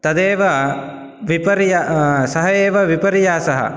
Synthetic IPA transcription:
t̪ɐd̪eːʋɐ | ʋipɐɾjasɐɦɐeːʋɐʋipɐɾijaːsɐɦɐ̰

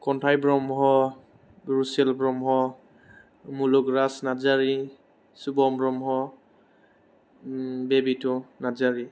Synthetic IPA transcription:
kɔntʰajbɹɔmɦɔ | bɹusɛlbɹɔmɦɔ | mulukɹasnazaɹi | subɔmbɹɔmɦɔ | bebitʊnazaɹi

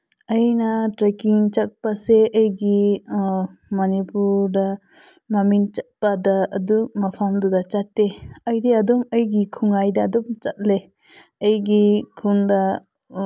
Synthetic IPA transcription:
əjnaʈɾəkiŋt͡ʃak̚paseʔəjɡi | manipuɖamamint͡ʃat̪̚pad̪aəd̪umafʰamd̪ud̪at͡ʃat̪ːeəjd̪ɛad̪ɔməjɡikʰuŋajd̪aːd̪ɔmt͡ʃat̪̚le | əjɡikʰund̪a

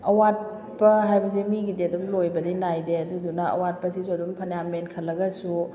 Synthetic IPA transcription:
ɐwat̚ | pɐɦajbɐs̬imiɡideɐdumlojbɐdinajdeɐdudunɐɐ̰wat̚pɐsisuɐdumpʰɐnjamenkʰɐlːɐɡɐsu

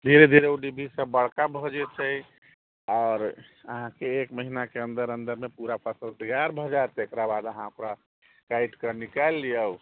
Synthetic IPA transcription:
d̪ʱiɾed̪ʱiɾeuɖibʱisəbəɽkabʱɔd͡ʒet͡ʃʰɛj | ɔːɾə̰ɦãkeekməɦinakeənd̪əɾənd̪əɾmepuɾapʰəsəld̪iɡaɾbʱɔd͡ʒaet̪ekɾabad̪əɦãokɾa | kajʈkənikalːijə

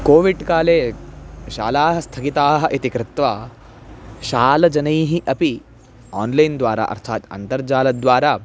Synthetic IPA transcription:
koːʋiɖkaːleːʃa̰ːlaːɦɐst̪ʰɐkit̪aːɦɐ̆ʔit̪ikɾɪt̪ʋaː | ʃaːlɐd͡ʒɐnɐjɦiʔɐpi | aːnlɐjnd̪ʋaːɾa̰ːʔɐ̰ɾt̪ʰaːt̪ɐ̰nt̪ɐɾd͡ʒaːlɐd̪ʋaːɾaː

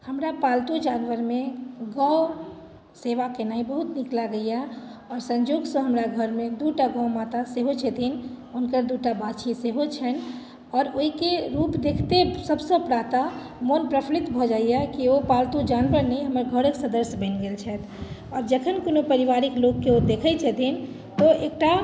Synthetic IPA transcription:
həmɾapalt̪ud͡ʒaːnʋəɾmeɡãw | seʋakenaĩbəɦut̪niklaɡəjaɔːɾsə̃ɲd͡ʒoːɡsə̃ɦəmɾaɡʱəɾmẽd̪uʈaɡə̃mat̪aseɦot͡ʃʰɛt̪ʰin | unkəɾd̪uʈabat͡ʃʰiseɦot͡ʃʰɛn | ɔːɾoɦikeɾupd̪ekʰt̪esəbsə̃pɾat̪a | monpɾəpʰlit̪bʱɔd͡ʒaijakiopalt̪ud͡ʒanbəɾneɦəməɾɡʱəɾəksəd̪əɾsbə̃nɡelt͡ʃʰɛt̪ʰ | ɔːɾd͡ʒəkʰənkonopəɾiʋaɾikloɡːeod̪ekʰət͡ʃʰɛt̪ʰin | t̪ɔek̚ʈa

